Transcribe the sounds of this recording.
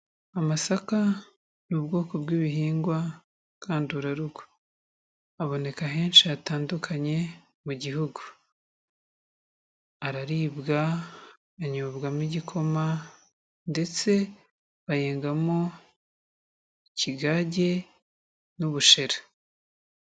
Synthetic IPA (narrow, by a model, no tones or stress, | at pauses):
amasaka | nubɡo̞ːko̞bɡiːβiɦiːŋɡwa | kʰaːndiuɾaɾuɡo̥ | aβo̞ne̞kaɦe̞ːnʃiataːndukʰaɲe̞ | muɟiɦuɡu̥ | aɾaɾiːbɡaː | ɲuβɡamiɟikʰo̞ma | nde̞t͡se̞ | βajeːŋɡamo | iciɡaːɟe̞ | nuβuʃe̞ɾḁ